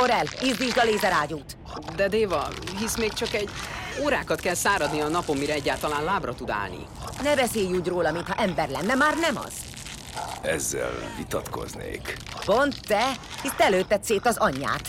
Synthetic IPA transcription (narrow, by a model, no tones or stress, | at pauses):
oɾɛlizd̪iʒd̪ɒleːzɛɾaːɟuːt̪ | d̪ɛd̪eːvɒɦismeːk̚t͡ʃɒkɛɟoːɾaːkɒt̪kɛlsaːɾɒd̪niɒnɒpo̞mːiɾɛɛɟːaːlt̪ɒlaːnlaːbrɒt̪ud̪a̰ːlnḭ | nɛbɛseːjuːɟroːlɒmint̪hɒʔɛmbɛrlɛnːɛmaːrnɛmɒ̰z̥ | ɛzːɛ̰lvit̪ɒt̪ko̞̰znḛːk | pont̪ːɛ | hist̪ɛløːt̪ːɛt̪seːt̪ɒzɒɲːa̰ːt̪